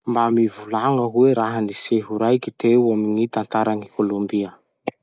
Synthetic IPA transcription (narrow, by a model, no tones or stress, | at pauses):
mbamivulaŋəɦueɾaɦəniseɦuɾajkit̪ewaminit̪ant̪aɾaŋikʰolombiə